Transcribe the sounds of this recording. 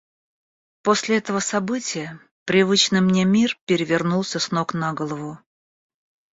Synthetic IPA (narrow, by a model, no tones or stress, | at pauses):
po̞sʲlʲɪɛt̪əvəsɐbɨtʲɪjə | pɾʲɪvɨt͡ɕnɨjmnʲe̞mʲirpʲɪɾʲɪvʲɪrnulˠsʲəsno̞knaɡolˠəvʊ